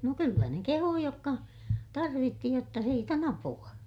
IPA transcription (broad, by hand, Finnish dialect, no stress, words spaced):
no kylːæ ne kehuː jokːɑ tɑrʋitːi jotːɑ siːt on ɑpuɑ